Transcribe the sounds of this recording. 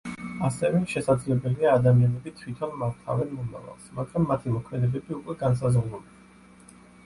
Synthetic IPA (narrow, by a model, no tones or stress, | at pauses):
asɛvɛʃɛsad̪zlɛbɛliaːd̪amianɛbit̪ʰwit̪ʰɔnmaɾt̪ʰa̰vɛnmɔma̰va̰lˠsmaɡɾamːat̪ʰimɔkʰmɛd̪ɛbɛbiukʼwɛɡans̬azʁlˠɔli